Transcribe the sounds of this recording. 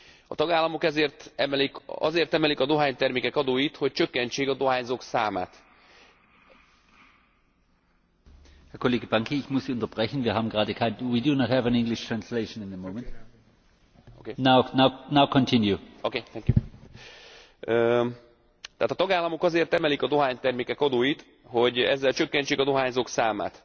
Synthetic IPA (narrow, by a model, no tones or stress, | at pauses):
ɒ̰t̪ɒɡaːlːɒmo̞kɛzeːrt̪ɛmɛlikɒ̰zeːrt̪ɛmɛlikɒd̪o̞ɦaːɲt̪ɛrmeːkɛkɒd̪oːjit̪ho̞c̚t͡ʃø̞kːɛnt͡ʃeːɡɒd̪o̞ɦaːɲzo̞ksaːma̰ːt̪ | hɛɐkʰoleːɡəbãŋkʰiɪçmʊsiʊ̃ntɐb̥ʁɛçn̩viːɐɦaːbm̩ɡʁaːdəkhaɪtwidunɔthævæ̃nɪ̃ŋɡlɪʃtʰɹ̥ãnsleɪʃə̃nɪ̃nðəmõʊmɛ̃nt | okenaʊnaʊnaʊkʰɔ̃ntʰɪ̃njuokeːt̪ɛŋkju | ø | t̪ɛaːt̪ɒt̪ɒɡaːlːɒmo̞kɒzeːrt̪ːɛmɛlikɒd̪o̞ɦaːɲt̪ɛrmeːkɛkɒd̪oːjit̪ | ho̞ɟɛ̰zːɛlt͡ʃø̞kːɛnt͡ʃeːkɒd̪o̞ɦaːɲzoksaːma̰ːt̪